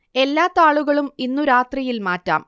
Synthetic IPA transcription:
e̞lːaːt̪ːaːɭuɣɐɭuminːuɾaːt̪rijilmaːtːa̰ːm

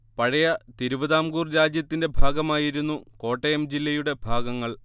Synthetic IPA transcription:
pɐɻɐjɐt̪iɾuʋɐðaːmɡuːrɾaːd͡ʑjɐt̪ːinde̞bʱaːɡɐmaːjiɾunːuko̞ːʈːɐjɐmd͡ʑilːɐjuɽe̞bʱaːɡɐŋːɐɭ

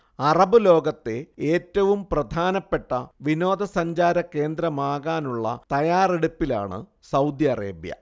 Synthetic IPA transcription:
ɐrɐbɨlo̞ːɡɐt̪ːe̞eːtːɐʋumprɐd̪ʱaːnɐpːe̞ʈːɐʋino̞ːd̪ɐsɐɲd͡ʑaːɾɐke̞ːnd̪ɾɐmaːɣaːnuɭːɐ̰t̪ɐjaːreɽupːila̰ːɳɨ̰ | sɐwd̪jɐɐrḛːbjɐ̰

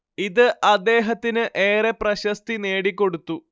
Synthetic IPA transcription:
iðɨʔɐd̪ːe̞ːɦɐt̪ːinɨʔe̞ːreprɐɕɐst̪ine̞ːɽikʲːo̞ɽut̪ːu

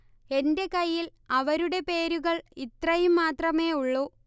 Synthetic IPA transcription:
e̞nde̞kɐjːilɐʋɐɾuɽe̞pe̞ːɾuɣɐɭit̪rɐjumːaːt̪rɐme̞ːuɭːuː

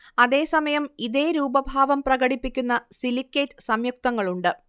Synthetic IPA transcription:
ɐðe̞ːsɐmɐjɐmiðeːɾuːbɐbʱaːʋɐmprɐɡɐɽipːikʲːunːɐsilikʲːeːtːɨsɐmjuk̚t̪ɐŋːɐɭuɳɖɨ

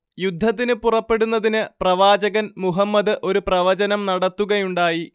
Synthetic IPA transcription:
jud̪ʱːɐt̪̬ːinɨpurɐpːe̞ɽunːɐðinɨprɐʋaːd͡ʑɐɣɐnmuɦɐmːɐd̪ɨʔo̞ɾuprɐʋɐd͡ʑɐnɐmnɐɽɐt̪ːuɣɐjuɳɖaːji

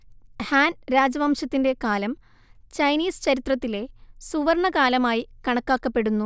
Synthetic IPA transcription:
haːnɾaːd͡ʑɐʋaːmʂɐt̪ːinde̞kaːlɐm | t͡ɕɐjniːsɨ̥t͡ɕɐɾit̪rɐt̪ːile̞suʋɐrɳɐkaːlɐmaːjikɐɳɐkːaːkːɐpːe̞ɽunːu

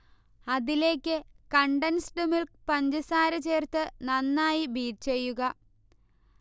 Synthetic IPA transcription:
ɐðile̞ːkʲːɨkɐɳɖɐnsɖumilk̚pɐɲd͡ʑɐsaːɾɐt͡ɕe̞ːrt̪ːɨnɐnːaːjibiːʈt͡ɕe̞jːuɣɐ

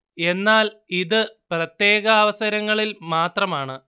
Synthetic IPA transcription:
e̞nːaːliðɨprɐt̪je̞ːɣɐːʋɐsɐɾɐŋːɐɭilmaːt̪rɐmaːɳɨ

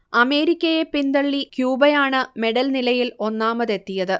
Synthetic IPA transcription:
ɐme̞ːɾikʲːɐjepind̪ɐɭːikjuːbɐjaːɳɨme̞ɽɐlnilɐjilo̞nːaːmɐðe̞t̪ːijɐðɨ

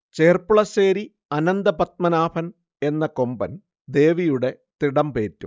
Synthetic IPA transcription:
t͡ɕe̞ːrpuɭɐseːɾi | ɐnɐnd̪ɐpɐt̪̚mɐnaːpʰɐn | e̞nːɐko̞mbɐn | d̪e̞ːʋijuɽe̞ | t̪iɽɐmpeːtːum

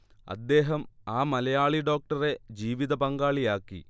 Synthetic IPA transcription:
ɐ̰d̪ːe̞ːɦɐmaːmɐlɐjaːɭiɖo̞ːk̚ʈɐre̞d͡ʑiːʋiðɐpɐŋɡaːɭijaːkːḭ

